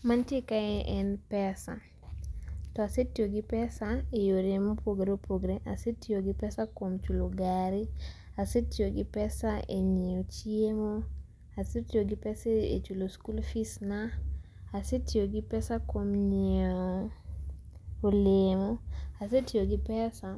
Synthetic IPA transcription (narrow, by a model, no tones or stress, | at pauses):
mantjekaɛʔɛnpɛsa̰ | tɔasetjoɡɪpɛsaejoɾemopoɡɾepʰoɡɾeʔasetioɡɪpɛsakomt͡ʃuloɡaɾi | asetjoɡɪpɛsaḛɲeot͡ʃjemo | asetjoɡɪpɛseḛt͡ʃuloskulfisnaː | setjoɡɪpɛsakomɲeo | olemoasetjoɡɪpɛsa